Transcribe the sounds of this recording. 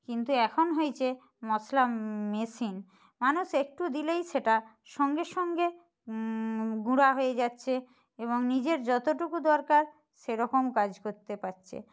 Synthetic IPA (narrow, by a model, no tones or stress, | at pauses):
kint̪uɛkʰonɦojt͡ɕʰe | mɔslamesin | manuʃek̚ʈud̪ilejʃeʈa | ʃɔŋɡeʃɔŋɡe | ɡuɽaɦojed͡ʑatːɕʰe | eβoŋnid͡ʑeɾd͡ʑɔt̪oʈukud̪ɔɾkaɾ | ʃeɾɔkomkad͡ʑkoɾt̪epatːɕʰḛ